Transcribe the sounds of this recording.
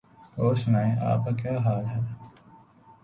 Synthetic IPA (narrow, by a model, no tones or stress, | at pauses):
oːʃnaːẽʔa̰ːp̚kakjaːɦaːlɦɛː